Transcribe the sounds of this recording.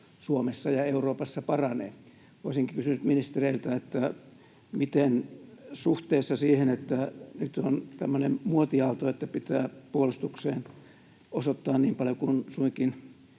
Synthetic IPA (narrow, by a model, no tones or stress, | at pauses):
suomesːɑjɑeuroːpɑsːɑpɑrɑnḛː | oˑisiŋkikysynyt̪minist̪ereilt̪æet̪ːæ | mit̪ensuht̪eːsːɑsiːhenet̪ːænyt̪ont̪æmːønemmuot̪iɑlt̪oet̪ːæpit̪æːpuolust̪ukseːn | osot̪ːɑːnniːmpɑljokunsuikin